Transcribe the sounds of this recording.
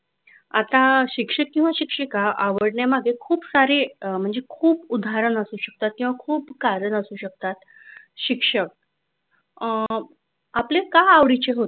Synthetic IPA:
a̰t̪aɕikʂəkĩw̃ʋaɕikʂikaaʋəɽɳjemaɡʱekʰuːpsaɾem̤əɳd͡zekʰuːbud̪ʱaɾənəsuːɕək̚t̪at̪̚kĩw̃ʋakʰuːpkaɾəɳəsuːɕək̚t̪at̪ | ɕikʂək̚ | aplekaaʋɽit͡ɕeɦot̪

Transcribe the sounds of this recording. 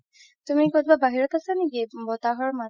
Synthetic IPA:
t̪umikot̪babaɦiɾɔt̪asaniɡebɔt̪aɦɔɾma

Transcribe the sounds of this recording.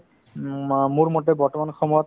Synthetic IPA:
muɹmɔtɛbɔɹtɔmanxʰɔmɔjɔt̪̚

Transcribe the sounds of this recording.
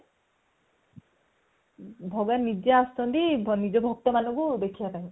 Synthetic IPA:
bʱɔɡanid͡ʒiaast̪ɔnt̪inid͡ʒɔbʱɔk̚t̪ɔmanukud̪ekʰijapaj̃

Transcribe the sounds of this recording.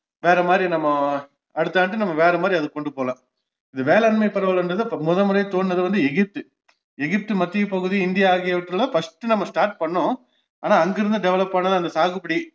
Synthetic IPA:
ʋeːɾɐmaːd̪ɾinɐmːɐ | ɐɽɯt̪ːaːnʈːɯnɐmːɐʋeːɾɐmaːd̪ɾiɐðɯkːɔɳɖɯpoːlãː | ɪðɯʋeːlɛɐnmɐɪpːɐɾɐʋɐɭɐnɖɐðɯmɔðɐmɯɾɐɪt̪oːɳːɐðɯʋɐnd̪ɯɛɣɪp̚t̪ɯ | ɛɣɪp̚t̪ɯmɐt̪ːijpɐɣɯðiɪnd̪ɪjaaːɣɪjɐʋɪʈːɾɯlɐfɐsʈɯnɐmːɐsʈaːɾʈ̚pɐɳːʊ̃ | aːnaːɐŋɡɪɾɯnd̪ɯɖɛʋɐlɐpːɐɳːɐðɯɐnd̪ɐsaːɣɯpːɐɽi

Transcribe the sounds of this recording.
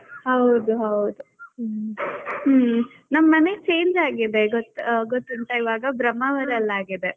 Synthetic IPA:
hɐwd̪uɦɐwd̪u | nɐmːɐne̞t͡ʃe̞ːɲd͡ʒaːɡid̪e̞ɡot̪ːɡot̪ːunt̪ɐiʋaːɡɐbɾɐmːɐʋɐɾɐlːaːɡid̪e̞

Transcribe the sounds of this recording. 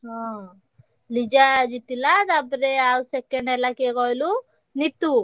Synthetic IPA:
a | lid͡ʒad͡ʒit̪ːilːad̪ɐbɐɾeaːusekːeɳɖɛlːakeːɡojlu | nit̪ːu

